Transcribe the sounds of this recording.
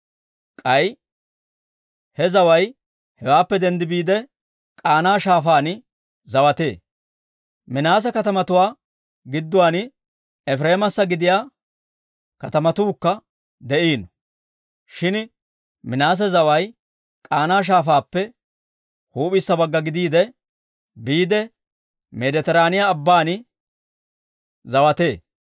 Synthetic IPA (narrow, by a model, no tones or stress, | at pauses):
kʼɐj | hɛzɐwɐj | hɛwaːpːɛd̪ɛnd̪ɪbiːd̪ɛ | kʼaːnaːʃaːfaːn | zɐwɐt̪e̞ː | mɪnaːs̬ɛkɐt̪ɐmɐt̪ʊwaː | ɡɪd̪ːʊwaːn | ɛfɾe̞ːmɐsːɐɡɪd̪ɪjaː | kɐt̪ɐmɐt̪uːkːɐ | d̪ɛʔiːnɔ | ʃɪn | mɪnaːs̬ɛzɐwɐj | kʼaːnaːʃ̬aːfaːpːɛ | huːpʼɪsːɐbɐɡːɐɡɪd̪iːd̪ɛ | biːd̪ɛ | mɛd̪ɛt̪ɛɾaːnɪjaːbːaːnɪ | zɐwɐt̪e̞ː